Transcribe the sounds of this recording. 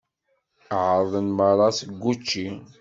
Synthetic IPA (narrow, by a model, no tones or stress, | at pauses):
ʕəɾˤðˤənməɾˤːɑsəɡʷːut͡ʃːi